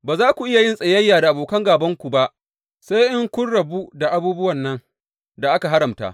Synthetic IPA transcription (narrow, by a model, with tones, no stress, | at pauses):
baː˨zaː˦kʷu˨ʔɪ˦ja˨jɪ˦nsʼɐ˨jɐ˦jːaː˨da˨ʔa˨boː˨kɐ˦ŋɡaː˨bɐ˦ŋkʷu˨ba˦ʔ | sa˦jʔɪ˦ŋkʷʊ˦nɽɐ˨bu˦da˨ʔa˨buː˦bʊ˦wɐ˨nːɐ˦ŋ | da˨ʔa˦ka˨ɦa˦ɾɐ˨mta̰˦